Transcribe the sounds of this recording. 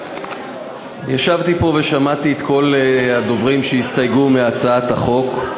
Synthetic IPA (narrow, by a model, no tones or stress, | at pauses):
jaʃavt̪ipo̞ve̞ʃamat̪iet̪kʰo̞lhad̪o̞vʁimʃeist̪ajɡumeat͡saat̪aχo̞k